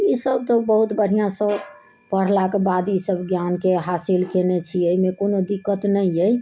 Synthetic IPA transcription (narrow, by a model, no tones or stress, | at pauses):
isəb̚t̪ɔbəɦut̪bəɽ̤ijãsə̃ | pəɽ̤lakebad̪isəbɡjankeɦasilkenet͡ʃʰiəjmekonod̪ikːət̪nəjəj